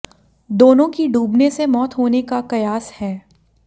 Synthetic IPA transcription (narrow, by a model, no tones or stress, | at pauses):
d̪oːnõkiɖʱuːbnesemɔːt̪ɦoːnekakɐjaːshɛː